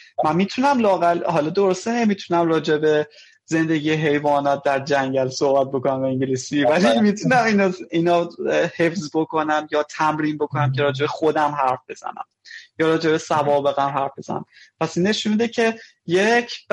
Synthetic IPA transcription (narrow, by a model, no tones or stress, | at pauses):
mænmiːt̪ʰunæmlɒːɣælɦɒːlɒd̪o̞ɾost̪ene̞mit̪ʰunæmrɒːd͡ʒe̞be̞ | ze̞nd̪e̞ɟijeɦe̞jvɒːnɒːt̪̚d̪æɾd͡ʒæŋɟælso̞hbæt̪̚bo̞konæmbeiɲɟilisivælimit̪ʰunæminɒiːnɒːhe̞fzbo̞kʰo̞næmjɒːt̪ʰæmɾiːnbo̞kʰonæmcʰe̞ɾɒːd͡ʒe̞be̞xo̞d̪æmɦæɾfb̥e̞z̥æ̰næ̰mjɒːɾɒːd͡ʒe̞be̞sævɒːbe̞ɣæmɦæɾfbe̞z̥æ̰næ̰mpʰæsinːe̞ʃunmid̪ecʰe̞ | jecʰ